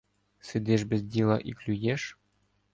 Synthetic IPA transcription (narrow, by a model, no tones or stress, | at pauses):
sɨd̪ʲeʃbʲɘzʲd̪ʲilˠɑ̰ʔiklʲujeʂ